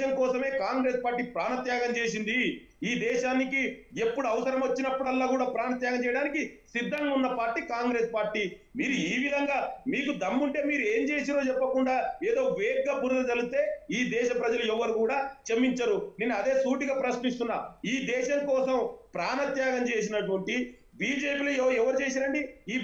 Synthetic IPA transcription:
ʃɐŋkɔːsɐme̞ːkaːŋɡɾe̞ːspaːɾʈːiːpɾaːnɐt̪jaːɡɐmt͡ʃe̞ːs̬ind̪i | iːd̪ɛːʃaːniki | e̞pːuɽuɐʋɐsɐɾɐmʋɐt͡ʃːinɐpːuɽɐlːaːkuːɽaːpɾaːnɐt̪̬jaːɡɐmt͡ʃɛːjɐɽaːnikisid̪ʱːɐŋɡɐunːɐpaːɾʈiːkaːŋɡɾe̞ːspaːɾʈːiː | miːɾuiːʋid̪ʱɐŋɡaːmiːkud̪ɐmːuɳʈe̞ːmiːɾue̞ːɲt͡ʃe̞ːs̬iɾo̞ːt͡ʃɛpːɐkuɳɖaːeːd̪o̞ːʋeːɡːaːpuːɾt̪ɐd͡ʒɐlust̪e̞ːiːd̪ɛːʃɐpɾɐd͡ʒɐluɛʋːɐɾukuːɽaːt͡ʃɐmːiɲt͡ʃɐɾuneːnːuɐd̪e̞ːsuːʈiɡaːpɾɐʃnist̪unːa̰ːiːd̪ɛːʃɐŋkɔːsɐmpɾaːnɐt̪jaːɡɐmt͡ʃe̞ːs̬inɐʈuʋɐɳʈi | biːd͡ʒe̞ːpiːloɛɐɛʋɐɾut͡ʃeːs̬iːɐɳɖiː

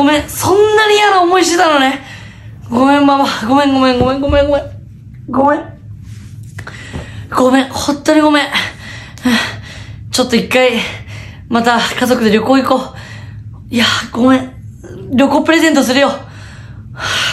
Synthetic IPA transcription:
ɡomẽsõ̞nːaɲ̟ijanaomo̞iɕt̪et̪anone̞ | ɡo̞mẽ̞mːamaɡo̞mẽŋɡomẽŋɡo̞mẽŋɡo̞mẽŋɡomẽ | ɡomẽ | ɡ̥omẽ̞hõnt̪ːoɲ̟iɡo̞mẽ | t͡ɕot̪ːoikːai | mat̪akazo̞kɯ̟d̪e̞ɾʲjo̞koːikoː | iaɡ̥o̞mẽ | ɾʲo̞koːpɯ̟ɾe̞zent̪o̞s̬ɨɾɯ̟jo̞

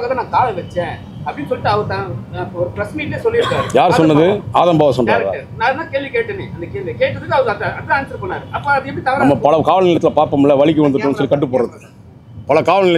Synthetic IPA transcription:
ɣɐːðeːnãːkaːlɛʋɛt͡ʃːɛ̃ː | ɐpːɐɽinːɯsɔlːɪʈːɯɐʋɐɾɯt̪ãɔɾɯpɾɐsmiːʈleːsɔlːɪɾɯkːaːɾɯjaːɾsɔnːɐðɯaːðɐmbaːʋɐsɔnɾaːɾða̰ːnaːnãːkeːɭʋikeːʈːɐneːɐnd̪ɐkeːɭʋikeːʈːɐðɯkːɯɐʋðɐɐʈːaːnsɐɾɯpːɐːnːaːɾɯɐpːõɐðɯɛpːɐɽit̪ɐʋɐɾɐmːɐpɐɭɐkaːʋɐlnɪːɭɐt̪ːɪlɐpaːɾpɐmɛlːɐʋɐɭɪk̬ːɯʋɐnd̪ɯʈːɯnsɔlːikɐʈ̬ːɯpːoːɾɾɐðɯ | pɐɭɐkaːʋɐlnɪɭɐ

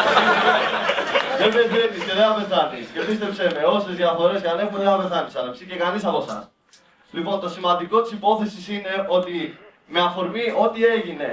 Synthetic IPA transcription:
ðebeθet̪isce̞ðeɐme̞θɐnisce̞pist̪e̞pse̞meo̞se̞zðiɐθo̞ɾe̞scɐne̞xunðeɐme̞θɐnisɐlepsice̞kɐnisɐpo̞sɐ̰s | lipo̞nt̪o̞simɐnd̪iko̞t̪i̥sipo̞θe̞sisine̞ot̪i | meɐfo̞ɾmio̞t̪ie̞ʝine̞

